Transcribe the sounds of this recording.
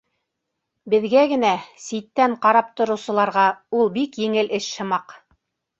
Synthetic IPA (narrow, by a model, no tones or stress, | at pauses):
bɘ̆ðɡæɡɘ̆næsit̪ːæɴqɑɾɑp̚t̪ŏɾɤ̆wsɤ̆lˠɑɾʁɑulˠbikjɘ̆ŋɘlʔɘʃʃɤ̆mɑq